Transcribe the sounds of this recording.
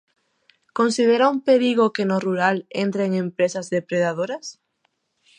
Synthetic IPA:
kõnsiðeɾaumpeɾiɣ̞okenoruɾalent̪ɾeːŋẽmpɾesazðepɾeðað̞oɾas

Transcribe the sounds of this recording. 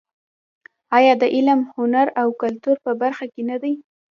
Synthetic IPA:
ɑjɑd̪əʔɪlamhʊnaɾawkalt̪uɾpəbaɾxakenad̪aj

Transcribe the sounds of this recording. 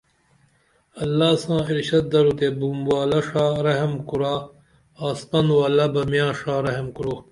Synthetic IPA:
ɐlːaːsãːiɾɕɐt̪̚d̪ɐɾut̪ebumwaːlɐʂaːɾɐɦɐmkuɾaː | spɐnwaːlɐbɐmjãːʂaːɾɐɦemkuɾoː

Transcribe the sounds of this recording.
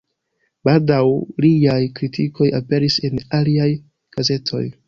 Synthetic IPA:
b̥aldawliajkɾitʰiko̞jape̞ɾise̞naliaj | ɡ̥aze̞tʰo̞̰j

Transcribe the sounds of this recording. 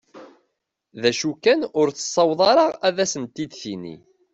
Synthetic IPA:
ðæʃukːænʊɾθə̥sˤːɑwðˤɑɾˤɑʁæðæsənt̪id̪θinḭ

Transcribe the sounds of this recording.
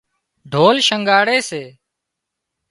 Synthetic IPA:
ɖʱoːlʃəŋɡaːɽeːseː

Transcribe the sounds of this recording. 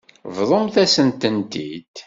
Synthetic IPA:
vðˤomθæsənt̪ənt̪ḭd̪̥

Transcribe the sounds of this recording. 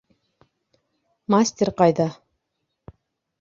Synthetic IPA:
masʲt̪ʲeɾqɑjðɑ

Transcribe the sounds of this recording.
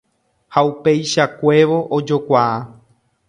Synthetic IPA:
haupe̞jʃakʷe̞ʋo̞ʔod͡ʒokʷaa

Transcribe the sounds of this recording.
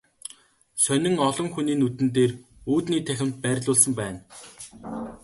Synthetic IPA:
sœnʲɪ̆ŋɔɮɞ̆ŋxuniːnut̪ɘ̆nt̪̬eːruːt̪niːt̪ʰæxʲɪ̆m̥t̪̚pæːɾʲɮʊːɮsə̆mpæːn

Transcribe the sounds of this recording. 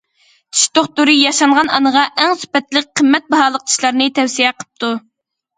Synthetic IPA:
t̪ʰi̥ʃt̪oχt̪uɾɨjɑʃɑɴʁɑnʔɑnəʁɑʔɛŋsy̥pɛt̪lɪk̚ʲqʰəmːɛt̪̚bɑɦɑːlˠəq̚t̪ʰi̥ʃlˠɑɾnɨt̪ʰɛwsijɛqʰə̥p̚t̪ʰu

